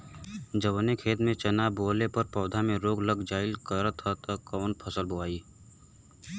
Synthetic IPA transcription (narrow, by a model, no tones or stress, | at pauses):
d͡ʒəʋnekʰeːt̪mẽt͡ʃɐnaːboːlepəɾpɔːd̪ʱamẽɾoːɡləɡd͡ʒaːɪlkəɾət̪ʰːat̪ɐkɔːnpʰɐsəlboaːiː